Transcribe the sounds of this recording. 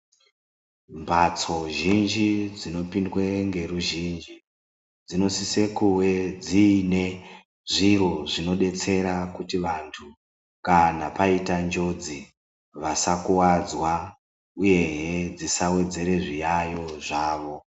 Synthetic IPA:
mbʱat͡so̞ʒind͡ʒid͡zino̞pindwe̞ŋɡe̞ruʒind͡ʒi | d͡zino̞sise̞kuwe̞d͡ziːne | ʐiɾoʐino̞ɗe̞t͡se̞ɾakutiʋantʰu | kanapaitand͡ʒo̞d͡zi | ʋasakuwad͡zwa | uje̞ɦed͡zisawe̞d͡ze̞ɾe̞ʐijajo̞ʐaːʋo̞

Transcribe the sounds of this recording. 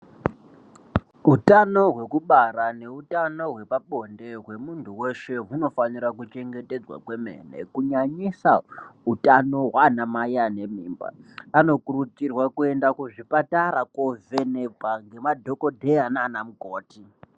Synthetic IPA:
utano̞ɦwe̞kuɓaɾane̞utano̞ɦwe̞paɓo̞nde̞ɦwe̞muntʰuweʃe̞ɦuno̞faniɾakut͡ʃe̞ŋɡe̞ted͡zwa̰kwe̞mḛːnḛkuɲaɲisautano̞ɦwanamajane̞miːmba̰ano̞kurut͡sirwakue̞ndakuʐipataɾakove̞nebʱaŋɡe̞madʱo̞kodʱeananamukoːti

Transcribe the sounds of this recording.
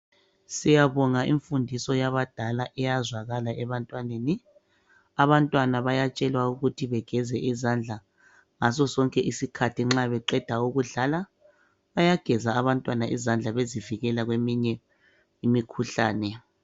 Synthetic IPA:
sijaβɔŋaiɱfundʱisɔjaβad̥ʱalaʔɛjazwaɣalaʔɛβantʼwaneni | aβantʼwanaβajat͡ʃʼɛlwauɣutʰiβɛɡ̥ʱɛzɛʔizand͡ɮʱa | ŋas̬ɔsɔŋkʼɛʔisikʰatʰiŋ͡ǁaβɛǃɛd̥ʱauɣuɮala | βajaɡ̥ʱɛzaːβantʼwanaʔizand͡ɮʱaβeziviɣɛlaɣwemiɲɛ | imikʰuɬaːnɛ

